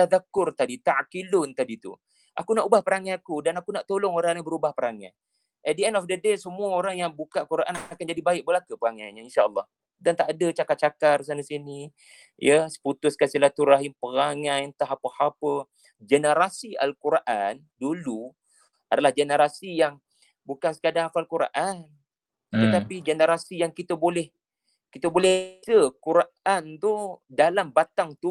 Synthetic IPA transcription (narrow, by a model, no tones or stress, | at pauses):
t̪aðakʊrt̪adit̪aʕkilʊnt̪adit̪ṵ | ʔa̰kunaʔubahpəɾaŋãakudanakunaʔt̪olʊŋoɾaŋabəɾubahpəɾaŋa̰n | ɛt̪̚dəɛndɔfdədesəmuəoɾaŋjaŋbukaʔkuɾʔa̰nakand͡ʒadibaɪk̚bəlakəpəaŋaɲainʃaəlːɑh | dant̪aʔadət͡ʃakat̪̚t͡ʃakarsanasini | jəsə̥put̪ʊskansilat̪uɾaɦinpəɣaŋajnt̪aɦapəhapə | d͡ʒənəɾasia̰lkuɾaʔan | dulu | ʔadalahd͡ʒənəɾasijaŋ | bukansə̥kadaafalkuɾaʔan | t̪ət̪apid͡ʒənəɾasijaŋkit̪əbolɛh | kit̪əbolɛsəkuɾaʔant̪udalambat̪aŋt̪u